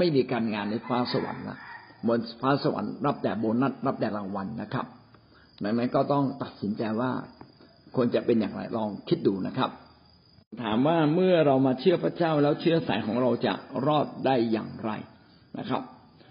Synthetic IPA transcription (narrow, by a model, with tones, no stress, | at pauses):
ma˥˩jmiː˧kaː˧nŋaː˧nːa˧jfaː˦˥sa˧wa̰˨˩˦nla̰˨˩ʔmo˧nfaː˦˥sa˧wa̰˩˦nɾa˦˥p̚dɛː˨˩boː˧nːa˥˩t̪̚ɾa˦˥p̚dɛː˨˩ɾa˧ŋwa˧nːa˦˥kʰɾa˦˥p̚ | da˨˩ŋna˦˥nkɔː˥˩t̪ɔ˥˩ŋt̪a˨˩t̪̚si˩˦nt͡ɕa˧jwaː˥˩ | kʰu˧ənt͡ɕa˨˩pe˧njaː˨˩ŋɾa̰˧jlɔː˧ŋkʰi˦˥t̪̚duː˧na̰˦˥kʰa̰˦˥p̚ | t̪ʰaː˩˦mwaː˥˩mɯ˥˩ɐɾa˧wmaː˧t͡ɕʰɯ˥˩ɐpʰɾa˦˥t͡ɕaː˥˩wlɛː˦˥wt͡ɕʰɯ˦˥ɐsa˨˩˦jkʰɔː˩˦ŋɾa˧wt͡ɕa̰˨˩ɾɔː˥˩t̪̚daː˥˩jːa̰ː˨˩ŋɾa̰˧j | na̰˦˥kʰɾa̰˦˥p̚